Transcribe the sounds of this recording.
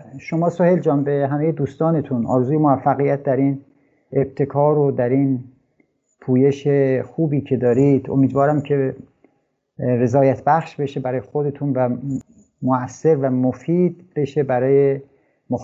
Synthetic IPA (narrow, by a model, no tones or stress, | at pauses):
ʃomɒːsoheld͡ʒɒːmbeɦæme̞jed̪uːst̪ɒːne̞t̪ʰunʔɒ̰ːɾezuːjemovæfːæɣijæt̪̚d̪æɾin | eb̥̚t̪ʰe̞kʰɒːɾod̪æɾin | pʰuːje̞ʃexuːbiːcʰe̞d̪ɒːɾid̪o̰miːd̪vɒːɾæmcʰe̞ | ɾe̞zɒːjæt̪ʰbæxʃbe̞ʃe̞bæɾɒːjexo̞d̪e̞t̪ʰuːnvæ | moæsːe̞ɾvæmofiːd̪beʃe̞bæɾɒːje | mox